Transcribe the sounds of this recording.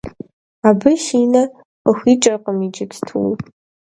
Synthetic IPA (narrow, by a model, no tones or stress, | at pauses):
abɨʃiːnɐ | qəxʷit͡ʃʼɐrqʼəmit͡ʃʼɪtʰtʰṵw